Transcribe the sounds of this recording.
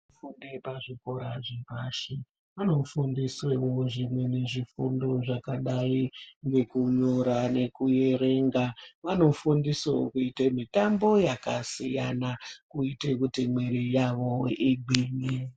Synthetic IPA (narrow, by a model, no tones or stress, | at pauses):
fundepaʐiko̞ɾaʐipaʃe | ʋano̞fundiswewoʐimwe̞ne̞ʐifundo̞ʐakaɗaiŋɡe̞kuɲoɾane̞kuje̞ɾe̞ŋɡaʋano̞fundisokuitemitambo̞jakasijanakuitekutimweɾijaʋo̞iɡ͡bʱiːni